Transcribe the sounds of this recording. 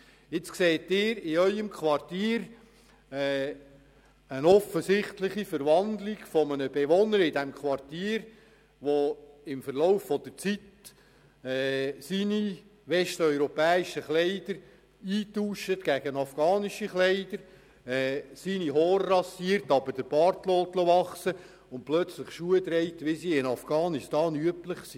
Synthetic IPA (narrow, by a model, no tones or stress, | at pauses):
ɪt͡skseːt̪ɪːɾɪœʏəmkʰʋɑrtiːɾ | ɛː | ənɔfəsɪχtlɪχifəɾʋɑnd̪lɪɡ̥fɔmənəbeʋɔnəɾɪdɛmkχʋɑrtiːəɾ | ʋoɪmfəɾlɔʊfːɔd̥̪əɾt͡sit | ɛːsiniʋɛstœʏɾɔpɛːiʃəχleɪd̥̪əɾ | iːtuːʃət̪ɡ̥æɡ̥ənɑfɡ̥ɑːniʃiχleɪd̪əɾ | ɛːsiːniɦɔːɾːɑsiːɾtɑbəɾd̥əb̥ɑɾt̪lɔːtloʋɑχsə | ʊntplœt͡sləχʃuəd̪ɾɛɪt̪ʋɪsiːɪnɑfɡ̥ɑːnɪstɑːnyəpləχsi